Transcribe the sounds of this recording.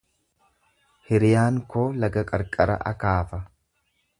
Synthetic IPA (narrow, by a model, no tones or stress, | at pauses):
hɪɾɪjaːŋkoːlɐɡɐkʼɐɾkʼɐɾɐ̰ʔɐ̰kaːfɐ